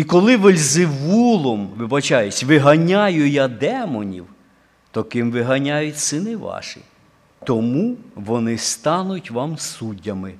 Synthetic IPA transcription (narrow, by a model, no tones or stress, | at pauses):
ikɔlˠɪʋɪlʲzɪʋulˠɔmʋɪbɐt͡ʃɑjʊsʲʋɪɦɐnʲajʊjad̪ɛmɔnʲḭw | t̪ɔkɪmʋɪɦɐnʲajʊtʲsɪnɪʋɑ̰ʃɪ̰ | t̪ɔmuʋɔnɪst̪ɑnʊtʲʋɑmsudʲːɐmɪ